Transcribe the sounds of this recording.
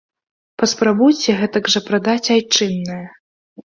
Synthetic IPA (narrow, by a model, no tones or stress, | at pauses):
pɐspɾabujt͡sʲɛɣɛt̪ɐɡʐɐpɾad̪at͡sʲajt͡ʂɨnːɐjɐ